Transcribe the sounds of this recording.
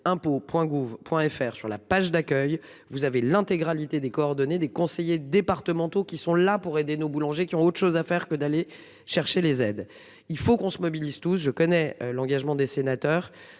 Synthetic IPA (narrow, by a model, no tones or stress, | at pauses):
ɛ̃popwɛ̃ɡuvpwɛ̃ɛfɛʁsy̰ʁla̰paʒd̪akʲœj | vuzavelɛ̃t̪eɡʁalit̪ed̪ekɔːʁd̪ɔned̪ekɔ̃sejed̪epaʁt̪əmɑ̃t̪okʲisɔ̃lapuʁed̪enobulɑ̃ʒekʲiɔ̃ot̪χʃozafɛʁkəd̪ale | ʃɛʁʃelezɛd̪ | ilfokɔ̃səmɔbilizt̪usʒəkɔnɛlɑ̃ɡaʒmɑ̃d̪esenat̪œːʁ